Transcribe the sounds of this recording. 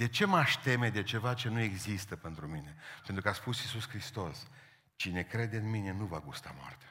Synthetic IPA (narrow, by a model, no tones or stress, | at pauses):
d̪e̞t͡ʃe̞maʃʲt̪e̞me̞d̪e̞t͡ʃe̞vat͡ʃe̞nue̞ɡzist̪əpe̞nt̪ɾumine̞pe̞nt̪ɾukaspusisuskɾist̪o̞s | t͡ʃine̞kɾe̞d̪eɨnmine̞nuvaɡust̪a̰moa̰rt̪ḁ